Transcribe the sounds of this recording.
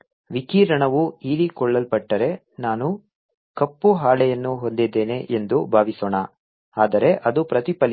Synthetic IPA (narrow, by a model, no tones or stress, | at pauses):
ʋikiːɾɐɳɐʋuiːɾikɔɭːɐlpɐʈːɐɾe̞ | naːnu | kɐpːuɦaːɭɛjɐnːuɦo̞nd̪id̪ːeːne̞ʔend̪ubʱaːʋisoːɳɐ | aːd̪ɐɾe̞ʔɐd̪upɾɐt̪ipɐl